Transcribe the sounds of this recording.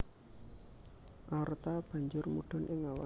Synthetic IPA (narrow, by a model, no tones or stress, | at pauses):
ʔart̪ab̥a̤ɲd͡ʒʊrmuɖ̥ɔ̤nʔɪŋawa̰